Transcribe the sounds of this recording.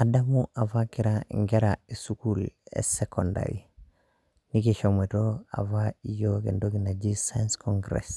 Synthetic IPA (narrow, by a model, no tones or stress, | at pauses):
adamuʔavakiɾaŋɡeɾaesukulḛsekonda̰ɾḭ | nikeʃometoa̰vaijokḛndoɡinad͡ʒisanskoŋɡɾḛs